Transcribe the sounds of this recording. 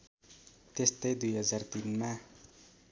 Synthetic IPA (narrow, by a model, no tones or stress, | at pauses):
t̪est̪ʌjd̪ujɦʌd͡zart̪inma